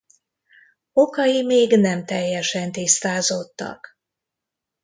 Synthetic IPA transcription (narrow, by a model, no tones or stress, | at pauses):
o̞kɒjimeːɡnɛmt̪ɛjːɛʃɛnt̪ist̪aːzo̞t̪ːɒ̰k